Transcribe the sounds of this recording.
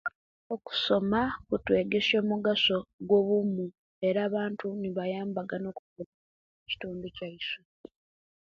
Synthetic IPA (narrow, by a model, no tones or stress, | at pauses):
o̞ku̥so̞makutwe̞ːɡe̞so̞ːmuɡaso̞ɡwo̞βumu | e̞ɾaːβaːntuniβajaːmbaɡano̞ːkukula | eci̥tuːnducaiswe